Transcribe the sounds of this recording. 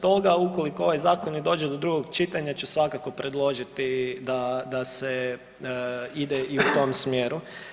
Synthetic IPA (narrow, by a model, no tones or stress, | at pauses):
t̪o̞ɡauko̞likoo̞ʋajzaːkonid̪o̞ːd͡ʒed̪o̞d̪ɾuɡo̞ɡt͡ʃit̪aɲat͡ɕesʋakako̞pɾe̞d̪lˠo̞ʒit̪id̪ad̪ase | id̪eiut̪o̞msmjeːɾu